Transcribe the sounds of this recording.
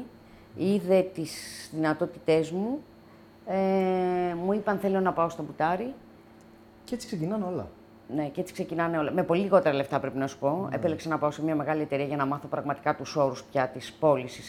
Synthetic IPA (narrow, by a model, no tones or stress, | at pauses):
iðe̞t̪iszðinɐt̪o̞t̪it̪e̞zmu | e | muipɐnθe̞lionɐpɐo̞st̪o̞but̪ɐɾi | cet͡si̥ksecinɐneo̞lɐ̰ | ne̞cee̞t͡si̥kse̞cinɐne̞o̞lɐme̞po̞liliɣo̞t̪eɾɐle̞ft̪ɐpɾepinɐsu̥po̞ḛpeleksenɐpɐosemɲɐme̞ɣɐlie̞t̪e̞ɾiɐʝɐnɐmɐθo̞pɾɐɣmɐt̪i̥kɐt̪uso̞ɾuspçɐt̪ispo̞lisis